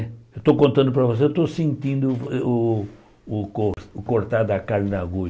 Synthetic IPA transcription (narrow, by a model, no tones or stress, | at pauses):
et̪owkõnt̪ɐ̃d̪ʊpɾɐvos̬eewt̪osĩnt̪ĩnd̪ʊ | koɾʊkoɾt̪ad̪ɐkaɾnnaɡu